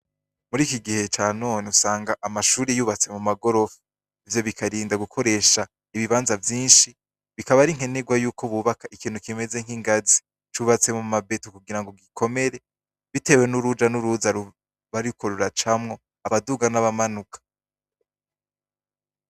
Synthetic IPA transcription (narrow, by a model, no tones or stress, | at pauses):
muɾiːkiɡihe̞t͡ʃaːnoːniusaːŋɡaʔamaʃuːɾijuːβat͡se̞mumaɡo̞ɾo̞fu | ivjo̞βikʰaɾiːndaɡukʰo̞ɾe̞ːʃa | iβiβaːnzavjiːnʃi | βikaβaɾiŋ̥he̞neɡwajuːkʰoβuβakaikiːn̥hukime̞ze̞ŋ̥hiŋɡazi | t͡ʃuβat͡se̞mumabe̞tokuɡiɾaŋɡo̞ɡikʰo̞me̞ɾe̞ | βite̞ːwe̞nuɾud͡ʒanuɾuzaɾu | βaɾikʰo̞ɾuɾat͡ʃamŋo̞ | aβaduːɡanaβamanukʰḁ